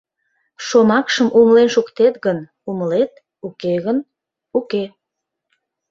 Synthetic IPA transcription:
ʃomɑkʃəmʔuməlenʃukt̪et̪ɣən | uməlet̪̚ | ukeɣən | uke

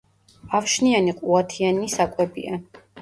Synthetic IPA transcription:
afʃnianiqʼuat̪ʰianisakʼwɛbḭa

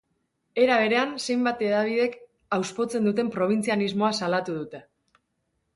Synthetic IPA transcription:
e̞ɾaβ̞e̞ɾe̞anse̞jmbat̪e̞ðaβ̞iðe̞k | awspo̞t͡se̞nd̪ut̪e̞mpɾo̞β̞int͡sianizmo̞asalat̪uð̞ut̪e̞

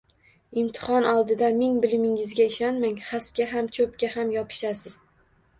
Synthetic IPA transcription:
ɪmt̪ʰɪ̥hɒnʔɒlˠd̪ɪd̪amɪŋbɪlɪmɪŋɪzɡʲaɪʃɒnmaŋhaskʲaɦamt͡ʃʰɵpkʲahamjɒpʰɪ̥ʃasɪz̥

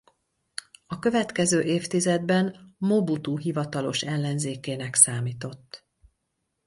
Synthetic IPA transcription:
ɒkø̞vɛt̪kɛzøːʔeːft̪izɛd̪bɛnmo̞but̪uɦivɒt̪ɒlo̞̰ʃɛlːɛnzeːkeːnɛksaːmiːt̪o̞t̪ː

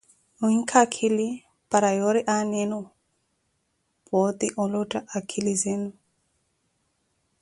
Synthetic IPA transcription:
uiŋkʰakʰili | paɾajɔɾiʔanɛnu | pɔt̪iʔɔlɔtʼaʔakʰilizɛnu

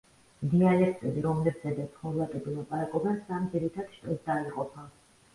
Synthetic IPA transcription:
d̪ialɛkʰt̪ʼɛbiɾɔmlɛbzɛd̪at̪ʰχɔlˠak̪ʼɛbilˠapʼaɾakʼɔbasamd̪ziɾit̪ʰad̪̥ʃt̪ʼɛsd̪aiqʼɔpʰa

